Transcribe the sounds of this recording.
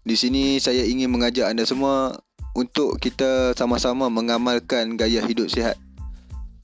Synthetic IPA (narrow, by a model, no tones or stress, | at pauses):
disinĩsajaiŋɪnməŋad͡ʒaʔandasəmua | unt̪ʊʔkit̪asamasamãmə̃ŋamalkanɡajaɦidʊp̚siɦa̰t̪̚